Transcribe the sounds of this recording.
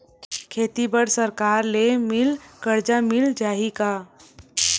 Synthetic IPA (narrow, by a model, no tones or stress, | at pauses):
kʰeːt̪ibəɽsəɾkaːɾlemɪlkəɾd͡ʒamɪld͡ʒaːɦika